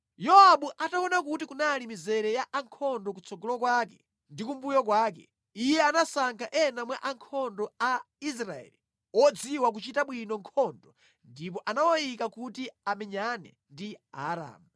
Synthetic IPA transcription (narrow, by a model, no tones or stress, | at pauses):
jɔaɓuʔatawɔnak̬utikunalimizɛɾɛjaʔaŋkʰɔndɔkut͡sɔɡɔlɔkwakɛ | ndikumbujɔk̬waːk̬ɛ̰ | ijɛanasaŋkʰaʔɛnamwaʔaŋkʰɔndɔa | is̬ɾaɛ̰li | wɔd͡ziwak̬ut͡ʃitaɓwinɔŋkʰɔndɔ | ndip̬ɔʔanawɔjikakutiamɛɲanɛ̰ | ndia̰ɾa̰ːmu